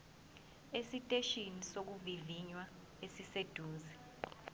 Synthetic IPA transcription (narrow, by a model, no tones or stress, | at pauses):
esitʼeʃinisok̬uviviɲwa | esised̥ʱuːzi